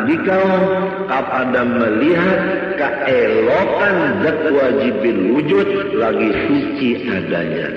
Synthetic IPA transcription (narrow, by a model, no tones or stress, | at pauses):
dikaʊn | kapadaməliɦat̪̚ | kə | ɛlokand͡ʒək̪əwad͡ʒibɪnwud͡ʒʊt̪̚laɡisut͡ʃiada̰ɲa̰